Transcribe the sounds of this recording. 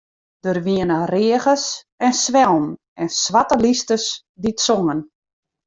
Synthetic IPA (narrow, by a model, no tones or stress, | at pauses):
d̥ərʋiənərɪəɣəs | ɛnsʋɛlˠm | ɛnsʋatəlistəs | ditsoŋən